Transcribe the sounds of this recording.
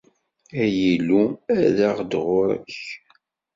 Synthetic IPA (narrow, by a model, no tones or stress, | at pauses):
æjilːuæðaʁd̪ʁʊɾæ̰ç